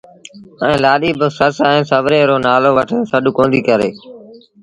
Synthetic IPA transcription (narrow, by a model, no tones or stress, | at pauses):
ɛ̃ːlaːɗiːbəsəsɛ̃ːsəʋɾeːɾoːnaːloːʋəʈʰəsəɗʊkõːnd̪iːkəɾḛː